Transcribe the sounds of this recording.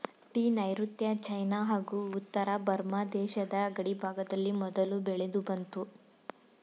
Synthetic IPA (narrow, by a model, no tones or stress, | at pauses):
ʈiːnɐjɾut̪jɐt͡ʃɐjnaɦaːɡuːt̪ːɐɾabɐɾmad̪ɛːʃɐd̪ɐːɡɐɽibʱaːɡɐd̪ɐlːimɔd̪ɐlubɛɭe̞d̪ubɐnt̪u